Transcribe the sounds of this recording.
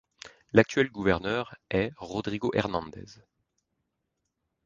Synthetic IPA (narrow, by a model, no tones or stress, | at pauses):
lak̚t̪ɥɛlɡuvɛʁnœːʁɛʁɔd̪ʁiɡoʔɛʁnɑ̃nd̪ɛ̰z